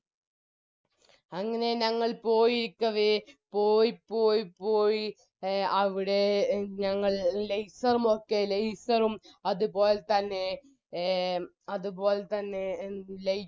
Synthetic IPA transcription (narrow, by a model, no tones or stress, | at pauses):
ɐŋːɐne̞ɲɐŋːɐɭpo̞ːjiɾikʲːɐʋepoːjpːoːjpoːji | ɐʋiɽe̞ɲɐŋːɐɭlɐjsɐrumo̞kːe̞lɐjsɐrumɐðubo̞ːlet̪ɐnːe̞ | ɐðubo̞ːlt̪ɐnːe̞lej